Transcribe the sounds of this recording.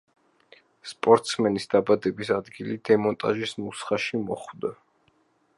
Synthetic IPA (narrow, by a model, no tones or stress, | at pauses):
spʼɔɾt̪ʼsmɛnisd̪abad̪ɛbisad̪ɡilid̪̥ɛmɔnt̪ʼaʒismusχaʃimɔχwd̪a